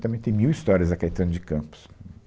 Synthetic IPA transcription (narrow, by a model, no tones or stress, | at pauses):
t̪ɐ̃mẽj̃t̪ẽj̃miwist̪ɔɾiɐzɐkajt̪ɐ̃nd̪ʊd͡ʒɪkɐ̃pʊ̥s